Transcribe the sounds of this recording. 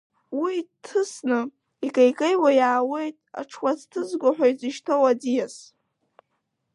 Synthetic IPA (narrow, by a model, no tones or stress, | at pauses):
witʰːɨsnɨ | ikʼajkʼejwajaːwe̞jtʼa̰ʈ͡ʂʰwʷat͡stʰɨzɡʷaħʷᶣajt͡sʼiʃtʰowad͡zijas